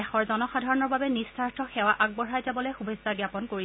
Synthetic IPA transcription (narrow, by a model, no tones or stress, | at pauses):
ɛxɔɹzɔnɔxadʱaɹɔnɔɹbabɛnistʰaɹtʰɔxɛwaʔaɡ̚bɔɹajzabɔlojxubʱezzaɡjapɔnkoɹi